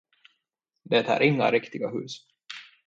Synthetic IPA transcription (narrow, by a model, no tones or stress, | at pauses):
d̪ɛt̪ʰæ̰ːɾʔɪŋːa̰ɾɪkt̪ɪɡahʉ̟ːs